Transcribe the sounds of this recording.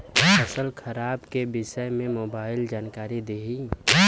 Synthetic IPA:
əsəlkʰəɾaːbkebɪʃəmẽmoːbaːɪld͡ʒaːnkaːɾid̪eɦi

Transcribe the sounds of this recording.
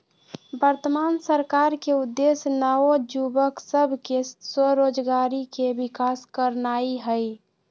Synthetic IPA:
bəɾt̪əmaːnsəɾkaːɾkeʊd̪ːesnəod͡ʒubəksəbʱkesəɾoːd͡ʒɡaɾikebɪkaːskəɾnaiɦəj

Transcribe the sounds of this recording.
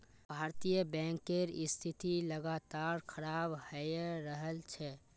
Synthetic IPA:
bʱaːɾt̪ijəbɛ̃ːŋkːeɾɪst̪ʰit̪iləɡaːt̪aɾkʰəɾaːbhəjɾəɦəlt͡ʃʰɛ

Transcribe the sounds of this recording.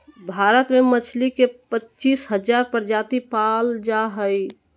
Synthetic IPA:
bʱaɾət̪memət͡ʃʰlikepətːt͡ʃiːsɦəd͡ʒaɾpəɾd͡ʒat̪ipald͡ʒaɦəj

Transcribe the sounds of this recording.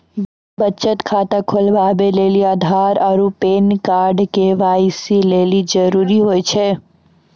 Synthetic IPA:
bətːt͡ʃət̪kʰat̪əkʰolbabeleliad̪ʱaɾɔɾupenkaɾɖkeʋajsilelid͡ʒəɾuɾiɦojt͡ʃʰɛ

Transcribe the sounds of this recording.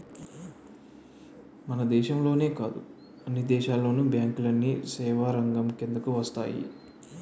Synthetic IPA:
mɐnɐd̪ɛːʃɐmlo̞ːne̞ːkaːd̪u | ɐnːid̪ɛːʃaːlːo̞ːnubjaːŋkulɐnːisɛːʋaːɾɐŋɡɐmkend̪ɐkuʋɐst̪a̰ːjḭ

